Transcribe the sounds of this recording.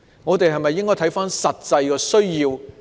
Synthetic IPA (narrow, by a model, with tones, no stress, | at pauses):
ŋɔː˨˧t̪e˨jhɐ˨jmɐ˨jːɪ˥ŋkɔː˥jt̪ʰɐ˨˥jfaː˥nsɐ˨t̚t͡sɐ˧jkɛː˧sɵ˥ɥjiː˧w